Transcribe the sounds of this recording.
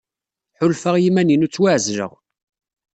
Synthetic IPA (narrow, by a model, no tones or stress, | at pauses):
ħʊlfəʁjimæninut͡sːwaʕzɾə̰ʁ